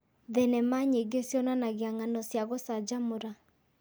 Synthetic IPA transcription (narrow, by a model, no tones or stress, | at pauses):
ðɛnɛmaɲeɡesjɔnanaɣeaŋanɔsjaɣosad͡ʒamoɾa